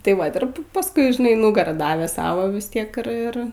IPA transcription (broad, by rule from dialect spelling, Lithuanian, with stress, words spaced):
tɐɪ ˈʋɐt ɪr pɐ pɐsˈkʊɪ ʒʲɪˈnɐɪ ˈnʊɡɐrɑː ˈdɑːʋʲeː ˈsɑːʋoː ʋʲɪs ˈtʲiɛk ɪr ˈɪr